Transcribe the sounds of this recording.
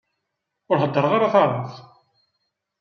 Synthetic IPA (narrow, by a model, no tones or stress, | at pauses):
ʊɾħəd̪ːəɾˤʁaɾaθɑɾˤɑθ